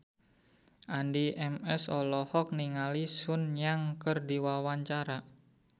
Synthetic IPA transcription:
ʔandiʔɛmɛsɔlɔhɔk̚niŋalisʊnɲaŋkərdiwawaɲt͡ʃaɾa

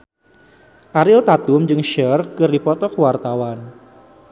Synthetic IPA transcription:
ʔaɾɪlt̪at̪ʊmd͡ʒɨŋʃərkɨrdipɔt̪ɔkwart̪awan

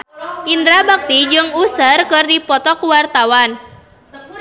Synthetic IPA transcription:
ʔindɾabak̚t̪id͡ʒɨŋusərkɨrdipɔt̪ɔkuwart̪awan

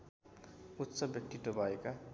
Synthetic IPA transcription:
ut̪ːsʌbjʌk̚t̪it̪obʱʌeka

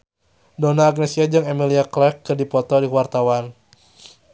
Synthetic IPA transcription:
dɔnaːɡ̚nesiad͡ʒɨŋɛmiliaklɛkːɨrdipɔt̪ɔdiwart̪awan

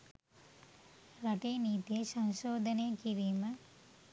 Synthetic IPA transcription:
ɾɐʈeːniːt̪esɐnʃoːd̪ʱɐneːkiɾiːmɐ

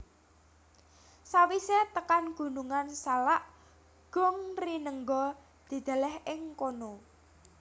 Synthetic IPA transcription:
sawiset̪əkanɡ̥ṳnuŋansalaʔ | ɡ̥ɔŋrinəŋɡɔ | d̪̥i̤d̪̥a̤lɛhɪŋkono

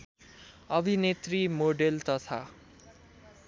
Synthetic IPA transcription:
ʌbʱinet̪rimoɖelt̪ʌt̪ʰa̰

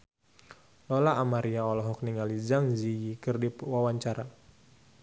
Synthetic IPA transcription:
lɔlaːmaɾiaɔlɔɦɔk̚niŋalizaŋzijikɨrdipwawaɲt͡ʃaɾa

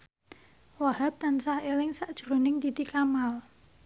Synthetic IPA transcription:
waɦap̚t̪ansahelɪŋsaʔd̥ʒ̥ɾonɪŋt̪it̪ikamal

